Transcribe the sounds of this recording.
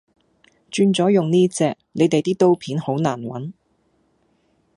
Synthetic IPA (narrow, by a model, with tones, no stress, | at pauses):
t͡ʃyː˧nt͡sɔː˨˥jʊ˨ŋniː˥t͡sɛː˧k̚ne˨˧jt̪e˨jt̪iː˥t̪o˥wpʰiː˨˥nho˨˥wnaː˨˩nwɐ̰˨˥n